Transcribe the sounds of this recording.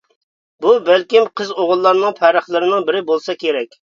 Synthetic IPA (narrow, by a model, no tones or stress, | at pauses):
bubælkʲimqʰəzoʁʊlˠːɑɾnɨŋpʰæɾəχlˠɨɾɪnɨŋbɪɾɪbolˠsɑkʲeɾɛkʲ